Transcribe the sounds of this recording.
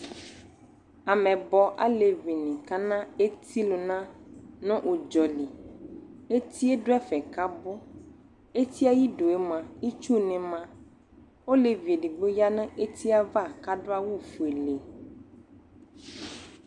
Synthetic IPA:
a˨mɛ̃˨bɔ˨ʔa̰˦le˨vi˨nĩ˨ka˦nã˦e˦t̪ʰi˦lo˨nã˦nɔ̃˦ʔo˨d͡ʒɔ˨li˨ | e˦t̪ʰi˦e˦ɖʊ˦ɛ˦fɛ˨ka˦bʊ˦ | e˦t̪ʰi˦a˦ji˦ɖo˨e˦mã˨i˦t͡ʃu˦nɛ̃˨mã˦ | o˦le˨ve˨ɖi˨ɡ͡bo˦ja˦nɛ̃˦ʔe˦t̪ʰi˦a˦va˦˨ka˦ɖʊ˦a˦wu˦fu˨e˨le˨

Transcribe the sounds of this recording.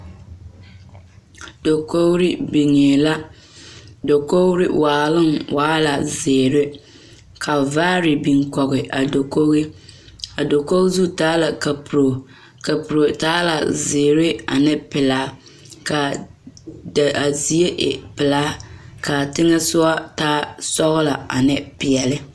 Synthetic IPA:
d̥o˨ko˦ɾi˦bi˨ŋeː˨la˦ | do˨ko˦ɾɪ˦waː˨lɪ˦ŋwʔaː˦la˨zeː˨ɾɪ˦ | kʰa˨vaː˦ɾi˨bi˨ŋkɔ˨ɣɪ˨ʔa˨do˨ko˦ɣi˦ | a˨do˨ko˦ɣzu˦taː˦la˨ka˨pu˨ɾo˨ | ka˨pu˨ɾo˨taː˦la̰˨zɪː˨ɾɪ˦a̰˨nɪ˦pɪ˨laː˨˦ | ka˨ | da˨a˨zi˨e˦ʔɪ̰˨pɪ˨laː˦ka˨tɪ˦ŋɛ˦sʊ˦a˦taː˦sɔ˦ɣʊ˦la˨a̰˨nɪ˦pɪ˨ɛ˨lɪ˦

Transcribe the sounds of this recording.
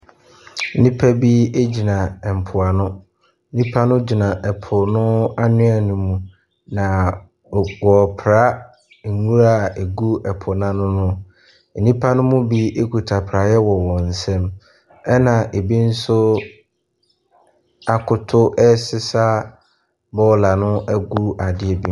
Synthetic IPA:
n̩˦nĩ˦pʰa˦bi˦e˦d͡ʑi˨nã˨m̩˨pʰʊ˨a˨nʊ̃˦ | n̩˦nĩ˦pʰa˦nʊ̃˦d͡ʑi˨nã˨ʔɛ˨pʰʊ˨nʊ̃˦a˦nʊ̃˦a˨nʊ̃˨mũ˨ | nã˨ | wɔ˨pʰɾa˦˨ | ŋũ˦ɾa˦˨e˨ɡu˦ɛ˨pʰʊ˨nã˦nʊ̃˦nʊ̃˦ | n̩˨nĩ˦pʰa˦nʊ̃˦mʊ̃˦bi˦e˦kʰu˨tʰa˨pʰɾa˨jɛ˦wɔ˨wɔ̃˨n̩˨sɛ̃˦m | ɛ˦nã˨ʔe˨bi˦n̩˦sʊ˦ | a˨kʰʊ˨tʰʊ˦ʔɛ˦sɪ˦sa˦ | bɔ˦˨la˨nʊ̃˦ʔæ˦ɡu˦a˨dɪ˦ɛ˨bi˦

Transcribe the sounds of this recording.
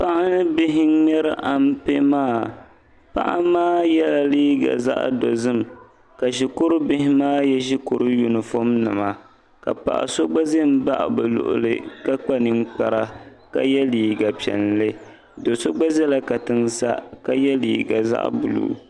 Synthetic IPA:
pa˦ʔa˦nɨ˦bɪ˦ɦɪ˦nɛ˦ɾɨ˦ʔa˨m˦pe˦maː˦˨ | pa̰˦ʔa˦maː˦jɛ˦la˨liː˦ɡa̰˨za̰˦ʔdo˨zɨ˦m | ka˨ʒi˨ko˦ɾʊ˦bɪ˦hɪ˦maː˦jɛ˦ʒi˦kʊ˨ɾɨ˦ju˨nɨ˨fo˦mnɨ˨ma˨ | ka̰˨pa̰˨ʔa̰˨so˦ɡ͡ba˦ze˦m̩˦ba̰˦ʔbɨ˨lʊ̰˨ʔʊ̰˨lɨ̰˦ka˦k͡pa˦nɨ˦ŋk͡pa˨ɾa˦ka̰˦jɛ˦liː˨ɡa˨pi˨ɛ̰˨nlɨ˦ | do˨so˦ɡ͡ba˦zɛ˦la˨ka˨tɨ˦ŋsa̰˦ka˦jɛ˦lḭː˨ɡa̰˨za̰˦ʔbu˨lṵː˦

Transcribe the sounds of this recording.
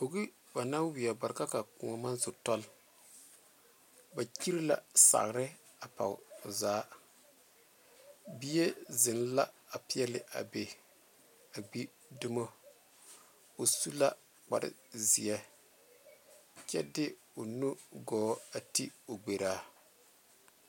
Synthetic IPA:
o˨ɡi˦ | ba˨na˦wi˨ɛ˨ba˨ɾka˦ka˨ku˨ŋa˨ma˦nzʊ˨tɔ˦l | ba˨ki˦ɾi˦la̰˨sa̰˨ɣɾɪ˦ | a˨pa̰˨wzaː˦ | bi˦je˦zɪ˨n˦la˦ | a˨pɪ˦ɛ˦lɪ˨ʔa̰˨be˨ | a˨ɡ͡bi˦ | du˦mo˦ | o˨su˦la˦ | k͡pa̰˨ɾɪ̰˨zi˨ɛ˦ | t͡ʃɛ̰˦dɪ˦ | o˨nu˦ɡɔː˨˦a˨ti˦o˨ɡ͡be˨ɾaː˦

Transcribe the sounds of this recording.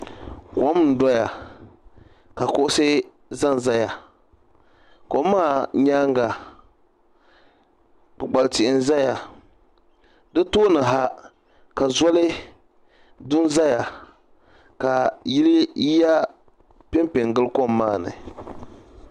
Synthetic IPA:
kɔ˦mn̩˨dɔ˦ja˨ | ka˨kʊ˦ʔʊ˦sɨ˦ | za˦n˨za˦ja˨ | kɔ˨˦maː˦˨ɲaː˦ŋ˦ɡa˨ | k͡pɨ˨ɡ͡ba˨ltɪ˨ʔɪ˨n˦za˦ja˨ | dɨ˦toː˦nɨ˨ɦa˦ | ka˨zɔ˦lɨ˦ | dʊ˦n˦za˦ja˨ | ka˨ji˦lɨ˦i˦ja˦ | pɪ˦mpɪ˨ŋ˨ɡɨ˦lkɔ˦mːaː˦˨nɨ̰˨

